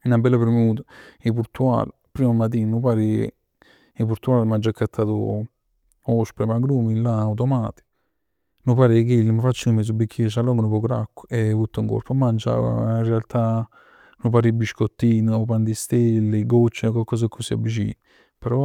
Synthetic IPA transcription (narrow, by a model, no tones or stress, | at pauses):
inabɛlːapeɾmeuːt̪ḁepuɾt̪ua̰ːl | pɾiːmamat̪̬iːnnupaːɾi | epuɾt̪uaːlmand͡ʒakːat̪ʰːaːt̪ṵ | ɔspɾemaɡɾuːmilaːwt̪ɔmaːt̪i̥ | nupaːɾikelmafat͡ʃːiŋmes̬ubːikʲːisalːɔŋɡənupɔkuɾa̰kːu̥evut̪ːuŋko̰ɾpomand͡ʒa̰irːealt̪a | nup̬aːɾibiʃkot̪ːiːnupand̪ist̪elːeɡot͡ʃːekwalkɔs̬akʰːusia̰bit͡ʃḭː | pɛɾɔ